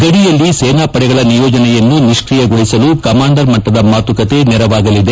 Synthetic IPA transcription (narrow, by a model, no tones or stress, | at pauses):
ɡɐɽijɐlːisɛːnaːpɐɽɛɡɐɭɐnijɔːd͡ʒɐnɛjɐnːuniʂkɾijɐɡoɭisɐlukɐmaːɳɖɐɾmɐʈːɐd̪ɐmaːt̪ukɐt̪e̞nɛɾɐʋaːɡɐlid̪e̞